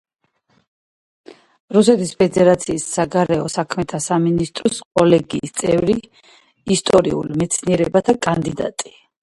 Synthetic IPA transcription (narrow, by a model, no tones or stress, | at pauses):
ɾus̬ɛt̪ʰispʰɛd̪ɛɾat̪sʰiːsːaɡaɾɛɔsakʰmɛt̪ʰasaminist̪ʼɾɔskʼɔlɛɡiːst̪sʼɛvɾiː | st̪ʼɔɾḭṵlmɛt̪sʰniɛɾɛbat̪ʰakʼand̪id̪a̰t̪ʼi̥